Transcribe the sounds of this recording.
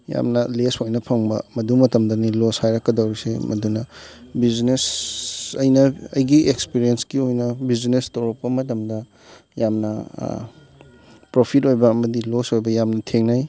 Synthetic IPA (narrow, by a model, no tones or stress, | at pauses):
ja̰mnɐlesojnɐpʰɐŋbɐ̰mɐdumɐtɐmdɐniloshajɾɐkːɐdɐwɾisḛmɐdunɐbiznes | ɐjnɐɐjɡiekspiɾienskiojnɐbiznestɐwɾɐk̚pɐmɐtɐmdɐ | jamnɐ | pɾopʰitojbɐːmɐdilosojbɐjamnɐtʰeŋnaj